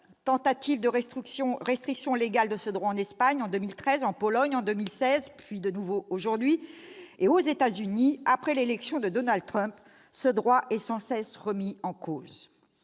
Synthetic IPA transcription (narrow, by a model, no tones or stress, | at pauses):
t̪ɑ̃t̪at̪ivd̪əɔ̃ʁɛst̪χiksjɔ̃leɡald̪əsəd̪ʁwaɑ̃nɛspaɲɑ̃d̪ømilt̪χɛzɑ̃pɔlɔɲɑ̃d̪ømilsɛzpɥid̪ənuvooʒuʁd̪ɥieozet̪azyniapχɛlelɛksjɔ̃d̪əd̪ɔnald̪̚t̪χœ̃p | səd̪ʁwaʔɛsɑ̃sɛsʁəmiɑ̃koːz